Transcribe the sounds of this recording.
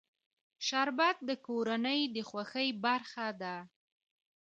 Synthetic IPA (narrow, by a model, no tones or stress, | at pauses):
ʃaɾbat̪̚d̪əkoɾanəjd̪əxwaxəjbaɾxad̪a